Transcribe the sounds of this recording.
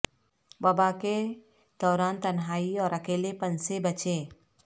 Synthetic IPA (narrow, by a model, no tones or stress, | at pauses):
baːbake | d̪̥ɔːɾaːnt̪ənɦaːiɔːɾɐkeːlepənsebət͡ʃẽː